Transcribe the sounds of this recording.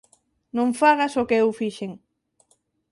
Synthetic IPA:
nõŋfaɣɐsokeewfiʃeŋ

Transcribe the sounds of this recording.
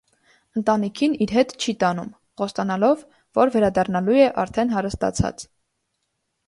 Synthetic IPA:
ənt̪ɑnikʰiniɾɦɛt̪t͡ʃʰit̪ɑnum | χɔst̪ɑnɑlɔvː | ɔɾvɛɾɑd̪ɑrnɑlujɛʔɑɾt̪ʰɛnɦɑɾəst̪ɑ̰t͡sʰɑ̰t͡s

